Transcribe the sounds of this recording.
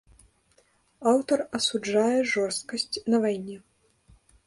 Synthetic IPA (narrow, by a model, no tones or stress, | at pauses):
awt̪ɐrɐsud͡ʐajɛʐɔrst̪̚kɐsʲt͡sʲnɐvajnʲɛ